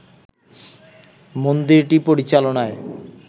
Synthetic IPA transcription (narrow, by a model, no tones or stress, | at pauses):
mond̪iɾʈipoɾit͡ɕalonae